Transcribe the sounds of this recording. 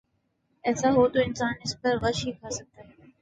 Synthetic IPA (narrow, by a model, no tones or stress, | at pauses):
ɛːsaɦoːt̪oːɪnsaːnɪspəɾɣəʃɦiːkʰaːsək̚t̪aːɦɛː